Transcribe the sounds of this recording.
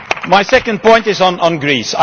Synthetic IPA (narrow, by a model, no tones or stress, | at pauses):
maɪsɛkə̃nd̚pʰɔ̃ɪ̃ntɪzn̩ə̃nɡɹiːsa